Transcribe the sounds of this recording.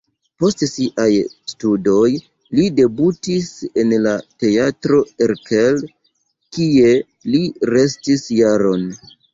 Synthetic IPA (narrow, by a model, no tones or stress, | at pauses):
po̞stsiʔajstudo̞j | lide̞butise̞nlate̞atɾo̞eɾkel | kie̞ | liɾe̞stisjaɾo̞n